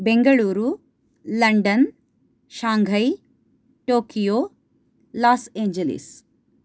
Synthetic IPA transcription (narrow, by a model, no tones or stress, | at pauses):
beŋɡɐɭuːɾu | lɐɳɖɐn | ʃaːŋɡʱɐj | ʈoːkijoː | laːseːɲd͡ʒelḭs